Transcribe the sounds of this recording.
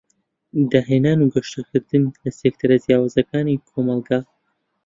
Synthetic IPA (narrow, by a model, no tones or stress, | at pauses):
d̪aːɦenaːnuɡɐʃt̪ɨkʰɨɾd̪ɨnlɐsek̚t̪ʰɨɾɐzjaːwaːzɐkaːnikʰomɑlˠɡaː